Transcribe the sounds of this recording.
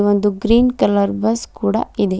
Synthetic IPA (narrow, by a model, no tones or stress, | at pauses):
ʋond̪uɡɾiːnkɐlɐɾbɐskuːɽɐ̰id̪e